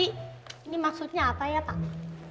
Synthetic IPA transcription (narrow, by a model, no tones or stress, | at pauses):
inimaksut̪̚ɲaːpajapa